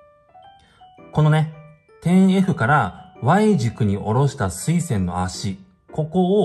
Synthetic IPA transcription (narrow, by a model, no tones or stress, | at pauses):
ko̞no̞ne̞ | t̪ẽ̞e̞ɸɯ̟kaɾaβaiʑikɯ̟ɲ̟iʔo̞ɾo̞ɕi̥t̪asɨisẽ̞nːo̞̰aɕi | ko̞ko̞ː